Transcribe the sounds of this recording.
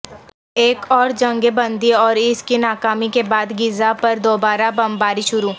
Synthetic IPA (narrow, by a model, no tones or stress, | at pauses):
eːkɔːɾd͡ʒɐ̃ŋɡebɐ̃nd̪iɔːɾɪskinaːkaːmikebaːd̪ɡɪzapɐɾd̪oːbaːɾabɐmbaːɾiʃʊɾuː